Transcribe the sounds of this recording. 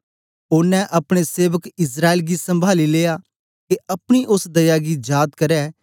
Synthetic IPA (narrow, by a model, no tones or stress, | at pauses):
ʊnːɛ̃ʔɐpɽ̃eseːʋəkɪs̬ɾaːeːlɡisɐ̃mbʱaːlileːja | keʔɐpɽ̃iʔʊsd̪ɐjaɡid͡ʒaːt̪kɐɾɛː